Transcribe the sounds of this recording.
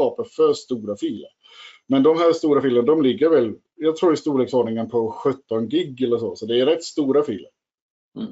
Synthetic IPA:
ɑːpəɾfœɾst̪uːɾafiːlə̰ɾ | mɛnd̪ɔmhæːɾʂt̪uːɾafilənad̪ɔmlɪɡːəɾvɛl | jɑːɡt̪ʰɾuːɾɪst̪uːɭeːksoːɳnɪŋənpʰɔɧɵt̪ːɔnɡɪɡːɛlːəɾʂɔsɔd̪ɛːɾɛt̪ːst̪uːɾafḭːlə̰ɾ

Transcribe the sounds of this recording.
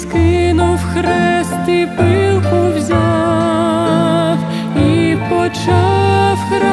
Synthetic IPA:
skɪnuwxɾɛst̪ipɨlˠkʊwzʲa | w | ipɔt͡ʃawxɾa

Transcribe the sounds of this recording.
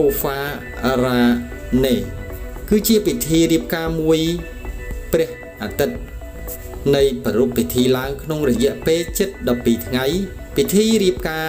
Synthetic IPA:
oːfaː | raː | neː | kɨːt͡ɕiəpit̪ʰiːriəp̚kaːmuəj | prɛ̆əh | ʔaːt̪ɨt̪̚ | nɨjprɑɾupʰːit̪ʰiːlaəŋkʰnoŋrɔjɛ̆əʔpeːlt͡ɕɨt̪̚ɗɑpːiːt̪ʰŋaj | pit̪ʰiːɾiəp̚kaː

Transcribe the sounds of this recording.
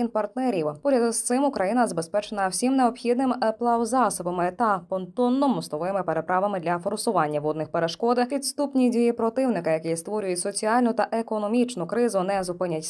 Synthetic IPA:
inpɐrt̪nɛɾʲiwpɔɾʲɐst̪sɪmʊkɾʔɐjinɐzɐbespɛt͡ʃenɐwsʲimneɔpxʲid̪nɪmplˠɑwzɑsɔbɐmɪt̪ɐpɔnt̪ɔnːɔmɔslˠɔʋɪmɪpeɾe̞pɾɑʋɐmɪd̪lʲɐfɔɾʊsʊʋɑnʲːɐʋɔd̪nɪxpeɾeʃkɔd̪ɪpʲid̪st̪upnʲidʲijipɾɔt̪ɪwnɪkɐjɐkɛjist̪ʋɔɾʲʊjʊtʲsɔt͡sʲiɑlʲnʊt̪ɐʔekɔnɔmʲit͡ʃnʊkɾɪzʊnɛzʊpɪnʲɐtʲ

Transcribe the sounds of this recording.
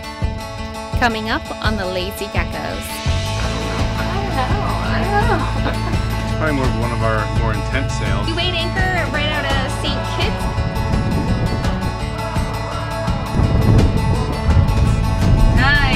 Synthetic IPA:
kʰʌmɪ̃ŋʌp | n̩ðəleɪziɡækə̰ʊz̥ | ɹãɪ̃mwə˞wʌ̃nʌvaə˞mɔɹɨ̃ntʰɛ̃ntseɪjɨweɪɾæ̃ŋkə˞ɨ̃ɹaɪɾaʊɾɨstikʰɪt | a

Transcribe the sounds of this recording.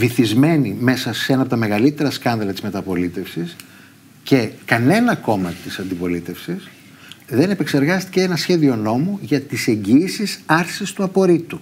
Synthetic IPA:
viθizme̞nime̞sɐseenɐpo̞t̪ɐme̞ɣɐlit̪e̞ɾɐskɐnðɐlɐt̪izme̞t̪ɐpo̞lit̪e̞fsis | ce̞kɐne̞nɐko̞mɐt̪isɐnd̪ipo̞lit̪e̞fsis | ðe̞ne̞pe̞kse̞ɾɣɐst̪i̥ceenɐsçe̞ðio̞no̞muʝɐt̪ise̞ɲɟiːsisɐɾsist̪uɐpo̞ɾit̪u

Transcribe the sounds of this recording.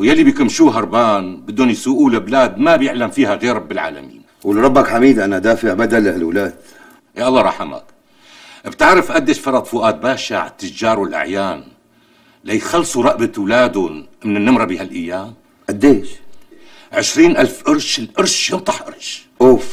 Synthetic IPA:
wjalːibikʊmʃuːɦɑɾˤbaːnbɪd̪ːoːnjsʊʔuːlɪblaːd̪mabjɪʕlamfiːhaɣeːɾˤɑbːɪlʕa̰ːla̰mḭːn | wɪlɾˤɑbːakħamiːd̪ʔanaʔad̪aːfɪʕbad̪alɪlwlaːd̪ | ʔeʔɑlˤːɑːɾˤɑːħama̰k | ʔbt̪aʕɾɪfʔad̪ːeːʃfɑɾˤɑt̪ˤfʊʔaːt̪̚baːʃa̰ʕat̪ːɪd͡ʒɑːɾˤwɪlʔa̰ʕjaːn | lajxɑlːsˤuɾˤɑʔbat̪wlaːd̪ʊmɪnɪnːɪmɾˤɑbihalʔajːaːm | ʔad̪ːeːʃ | ʕɪʃɾiːnʔalfʔɑɾˤʃɪlʔɑɾˤʃjɪnt̪ˤɑħʔɑɾˤʃʔoːf

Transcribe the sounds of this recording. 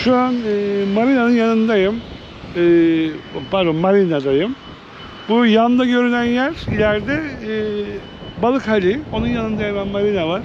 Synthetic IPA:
ʃuanɯmaɾinanɯnjanɯnd̪ajɯm | ɯ | baɾumːaɾinad̪ajɯm | bujand̪aɟø̞ɾynænjæɾilʲæɾd̪ɛː | balˠɯkhalʲio̞nunjanɯnd̪ajamanmaɾinavaɾ̥

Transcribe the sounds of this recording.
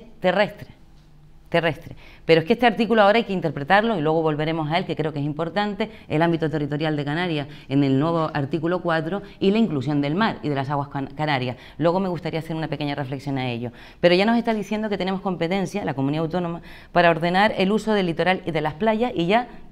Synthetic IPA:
t̪erest̪ɾe̥ | t̪e̞re̞st̪ɾe̞pe̞ɾoeskest̪e̞aɾt̪ikuloao̞ɾajkeint̪e̞ɾpɾe̞t̪aɾlo̞ilwe̞ɣ̞o̞βo̞lβe̞ɾe̞mo̞sae̞lke̞kɾe̞oke̞simpo̞ɾt̪ant̪e̞ḛlambit̪ot̪e̞rit̪o̞ɾjald̪e̞kanaɾjas | e̞ne̞lnwe̞βo̞ʔaɾt̪ikulo̞kwat̪ɾo̞ilaiŋklusjo̞nd̪e̞lmaɾiðe̞lasaɣwahkkanaɾjas | lwe̞ɣome̞ɣust̪aɾiase̞ɾunape̞ke̞ɲare̞fleksjo̞nae̞ʎo̞ | pe̞ɾo̞ʝanose̞st̪aðiθje̞nd̪o̞ket̪ene̞mo̞hko̞mpe̞t̪ẽ̞nsjalako̞muniðawt̪o̞nõ̞ma | paɾao̞ɾðe̞naɾe̞luso̞ðelːit̪o̞ɾaliðe̞lasplaʝasiʝa

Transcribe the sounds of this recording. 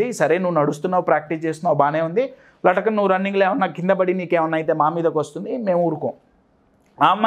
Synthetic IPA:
isɐɾeːnuʋːunɐɽust̪unːaːwupɾaːk̚ʈist͡ʃeːst̪unːaːbaːneːund̪i | lɐʈɐkɐnnuːuɾɐnːiŋɡleːʋɐnːaːkind̪ɐbɐɽiniːkeːʋɐnːaːjt̪̬eːmaːmiːd̪ɐkʋɐst̪und̪ime̞ːmuːɾuko̰ːm | aːmː

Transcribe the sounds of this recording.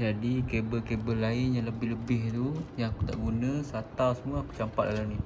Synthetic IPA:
d͡ʒadikebəkebəlaɪnjaŋləbɪhləbɪɦt̪ujaŋaku̥t̪a̰ʔɡunə̃sat̪awsəmuaakut͡ʃampat̪̚lalani

